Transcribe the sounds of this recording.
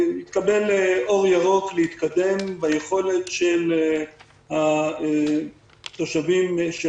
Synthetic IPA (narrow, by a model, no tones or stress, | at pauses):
jit̪kabe̞lʔo̞ʁjaʁo̞klehit̪kad̪e̞mbajeχo̞le̞t̪ʃel | ha | t̪o̞ʃavimʃ